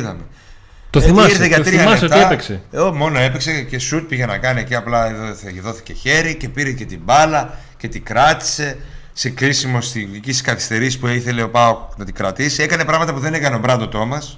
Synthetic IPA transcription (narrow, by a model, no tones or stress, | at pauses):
ðɐ̰me | t̪oimɐsiɾθeʝɐt̪ɾiɐmet̪epekseomo̞no̞e̞pekse̞ce̞sut̪̚piʝenɐkɐnieciɐplɐðo̞θi̥ce̞çe̞ɾice̞piɾece̞t̪ibɐlɐ | ce̞t̪ikɾɐt̪i̥se̞ | se̞kɾisimo̞st̪iicisi̥skɐθi̥st̪e̞ɾispuiθe̞leopɐonɐt̪iɡɾɐt̪isie̞kɐne̞pɾɐɣmɐt̪ɐpuðe̞nekɐneobɾɐd̪o̞t̪o̞mɐs